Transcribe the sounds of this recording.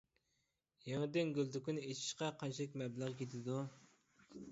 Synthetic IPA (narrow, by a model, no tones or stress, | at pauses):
jeŋɪd̪ɪnɡʲylˠt̪ykʲynet͡ʃʰi̥ʃqɑqʰɑnt͡ʃʰilˠɪkʲmɛblˠəʁkʲʰet̪ʰɪd̪u